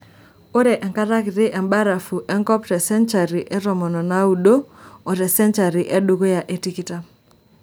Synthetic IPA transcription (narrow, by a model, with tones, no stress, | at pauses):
o˦ɾɛ˨ʔɛ˨ŋka˦ɾa˦kɪ˨ɾɪ˦ʔɛ˨mba˦ɾa˨fu˨ʔɛ˦ŋkɔ˦ptɛ˨sɛ˦nt͡ʃa˨ɾi˨ʔɛ˦ɾɔ˨mɔ˨nɔ˨na˦u˦ɗo˦ɔ˨ɾɛ˨sɛ˦nt͡ʃa˨ɾi˨ʔe˦ɗu˦ɡo˦ja˨ʔe˨ti˦ki˦ta˦